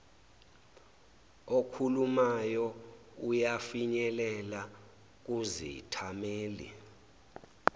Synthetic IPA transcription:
okʰulumajɔ | ujafiɲɛlɛla | k̬ʼuzḭitʰameːlḭ

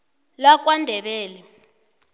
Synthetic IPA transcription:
lak̬ʼwandʱɛɓɛːlɛ

